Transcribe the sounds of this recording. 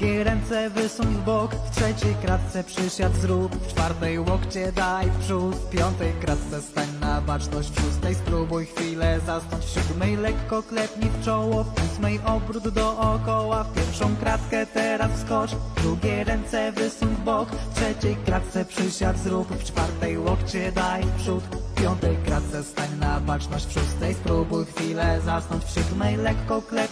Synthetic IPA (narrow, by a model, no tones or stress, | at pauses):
ɡʲɛɾɛnt̪sɛvɘsuŋɡbɔkft̪ʂɛt͡ɕɛjkɾat̪̚t̪sɛpʂɘɕjad̪zɾupft͡ʂfaɾt̪ɛjwɔkt͡ɕɛd̪ajfpʂupʲjɔnt̪ɛjkɾat̪t̪sɛst̪aɲnabat͡ʂnɔɕt͡ɕfʂust̪ɛjspɾubɔjxfʲilɛzast̪ɔ̃ɲt͡ɕfɕud̪mɛjlɛkːɔklɛpɲift͡ʂɔwɔfusmɛjʔɔbɾud̪d̪ɔʔɔkɔwafpʲjɛɾfʂɔ̃w̃kɾat̪kɛt̪ɛɾasskɔt͡ʂd̪ɾuɡʲɛjɾɛnt̪sɛvɘsuɡbɔkft̪ʂɛt͡ɕejkɾat̪̚t̪sɛpʂɘɕad̪zɾupft͡ʂfaɾt̪ɛjwɔkt͡ɕɛd̪ajpʂut̪pʲjɔnt̪ɛjkɾat̪̚t̪sɛst̪aɲnabat͡ʂnɔɕt͡ɕfʂust̪ɛjspɾubujxfʲilɛzasnɔɲt͡ɕfɕud̪mɛjlɛkːɔklɛp